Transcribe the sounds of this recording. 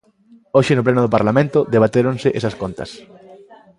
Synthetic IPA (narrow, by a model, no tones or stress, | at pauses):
oʃɪnʊplenʊðopaɾlamẽnt̪ʊðeβ̞at̪eɾõŋseʔesɐskont̪ɐ̰s